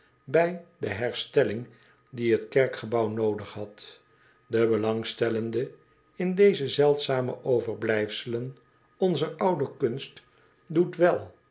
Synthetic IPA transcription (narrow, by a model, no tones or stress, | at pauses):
bɛjdəɦɛɹstɛlɪŋ | diɦətkɛɹkχəbɑwnowdəχɦɑt | dəbəlɑŋstɛləndə | ɪndejzəzɛlˠtsaːmə̰ʔowvəɹblɛjfsələn | ɔnzərʌwdəkɵnst | dutʋɛlˠ